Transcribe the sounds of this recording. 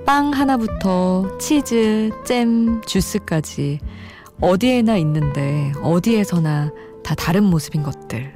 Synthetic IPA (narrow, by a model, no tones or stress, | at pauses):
p͈aŋɦanabutʰʌt͡ɕʰid͡ʑɯt͡ɕ͈e̞mt͡ɕus͈ɯk͈ad͡ʑi | ʌdie̞nainːɯnde̞ʌdie̞sʰʌna | tataɾɯnmosʰɯbinɡʌt̚t͈ɯɭ